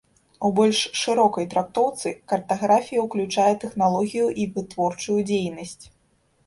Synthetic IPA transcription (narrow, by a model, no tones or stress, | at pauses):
ubɔlʲʂːɨɾɔkɐjt̪ɾak̚t̪ɔwt̪sɨkɐrt̪aɣɾafʲijɐwklʲut͡ʂajɛt̪ɛxnalˠɔɣʲijuʔivɨt̪vɔrt͡ʂujud͡zʲejnɐsʲt͡sʲ